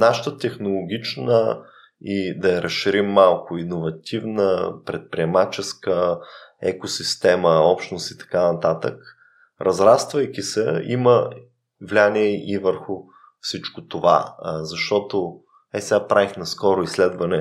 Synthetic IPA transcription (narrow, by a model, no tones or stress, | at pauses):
naʃə̥t̪ət̪ɛxnolˠoɡʲit͡ʃnə | id̪ɐɛɾʔɐsʃiɾimːalˠkʊinovɐt̪ʰivnəpɾɛt̪̚pɾiɛmat͡ʃɛskəɛ̰kosist̪ɛməɔpʃt̪nost̪i̥t̪ɐ̥kanɐt̪at̪ək | ɾʔɐzɾast̪vɐjkʲisɛimə | vlʲaniɛivəɾxʊ | fsit͡ʃkot̪ova̰zɐʃt̪ɔt̪o | ɛsɛɡapɾavixnɐskɔɾʊislɛd̪vɐnɛ